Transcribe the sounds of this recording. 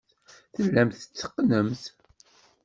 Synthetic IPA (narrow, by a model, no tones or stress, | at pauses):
θəlːæmθət͡sːə̥qːnəmθ